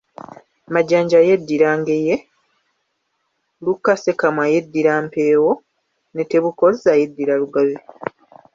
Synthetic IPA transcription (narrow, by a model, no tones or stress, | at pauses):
maɟaːɲɟajedːiɾaːŋɡe̞je | lukːase̞kamwajedːiɾaːmpe̞ːwo | neteβukolzaje̞dːiɾaluɡaβe